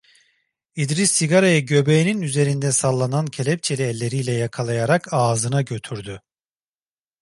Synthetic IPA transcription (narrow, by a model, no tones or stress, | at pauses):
id̪ɾisːiɡaɾajaɟø̞bejininyze̞ɾind̪ɛsalˠːanancʰelʲɛp̚t͡ʃʰe̞lʲiɛlʲːe̞ɾiːlʲɛjakʰalˠajaɾakʰaːzɯnaɟø̞t̪ʰyɾd̪y